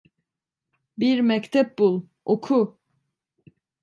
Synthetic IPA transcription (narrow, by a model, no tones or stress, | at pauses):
biɾmɛct̪ʰɛp̚bulˠ | okʰu